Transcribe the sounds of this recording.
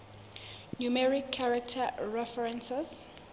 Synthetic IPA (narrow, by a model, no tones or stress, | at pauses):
numɛɹikʰːaɹak̚tʰaɹɛfɛɹɛ̃nsɛs